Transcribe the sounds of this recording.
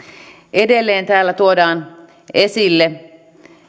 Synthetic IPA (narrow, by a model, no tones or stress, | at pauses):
edelːeːnt̪æːlːæt̪uodɑːn | esilːe